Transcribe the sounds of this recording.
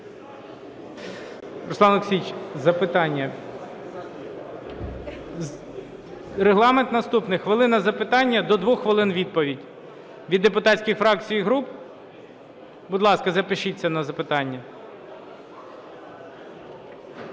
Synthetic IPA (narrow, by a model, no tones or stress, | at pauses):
rʊslˠɑnˠʊksʲit͡ʃʲzɐpɪt̪ɑnʲːɐ | reɦlˠɑment̪nɐst̪upnɪxʋɪlˠɪnɐzɐpɪt̪ɑnʲːɐd̪ɔd̪ʋuxxʋɪlˠɪnʋʲid̪̚pɔʋʲidʲ | ʋʲid̪ːepʊt̪ɑtʲsʲkʲɪxfɾɑk̚t͡sʲijiɦɾup | bʊd̪lˠɑskɐzɐpɪʃit͡sʲːɐnɐzɐpɪt̪ɑnʲːɐ